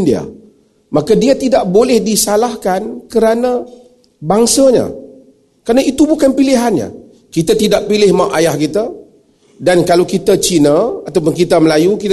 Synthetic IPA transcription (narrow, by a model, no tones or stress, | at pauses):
ndia̰ | makadiat̪idaʔbolɛhdisalahkankəɾana | baŋsaɲa̰ | kəɾanait̪ubukanpiliɦanɲa̰ | kit̪at̪idaʔpilɪhmaʔajahkit̪a | dankalawkit̪at͡ʃinəat̪awp̬ʊnkit̪aməlajukit̪